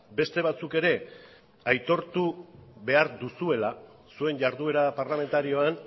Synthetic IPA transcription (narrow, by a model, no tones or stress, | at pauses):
be̞st̪e̞β̞at͡suke̞ɾe̞ | ajt̪o̞ɾt̪uβe̞aɾðusue̞la | sue̞nʝaɾðue̞ɾapaɾlame̞nt̪aɾio̞an